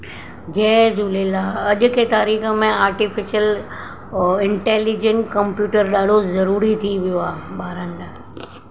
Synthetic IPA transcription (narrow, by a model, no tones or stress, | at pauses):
d͡ʑɛːzuːlelaːɐʄʊ̆kʰet̪aːɾiːxəmẽaːɾʈifɪʃəl | ɪ̃ɳʈeːlid͡ʑə̃nkɐmpjuːʈəɾɗaːɖ̤ʱozɐɾuːɾit̪ʰiʋijoaːɓaːɾə̃nɖ